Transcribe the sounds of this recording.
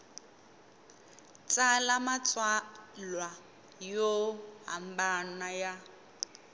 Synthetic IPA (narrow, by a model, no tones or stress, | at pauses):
t͡sʼalamat͡sʼwalwa | joɦa̰mbanaja